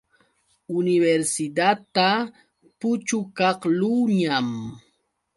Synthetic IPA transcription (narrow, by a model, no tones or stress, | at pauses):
ʊnɪβeɾsɪd̪at̪ːa | pʊt͡ʃʊkɑχluːɲam